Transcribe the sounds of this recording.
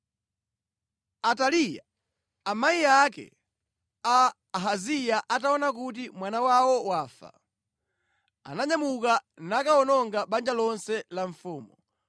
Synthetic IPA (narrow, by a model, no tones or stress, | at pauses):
atalija̰ | amaijakɛ̰ | aː | ɦazijaʔataɔnakut̬imwanawawɔwaːfa̰ | a̰naɲamukanakaɔnɔŋɡaɓand͡ʒalɔnsɛlaɱfuːmu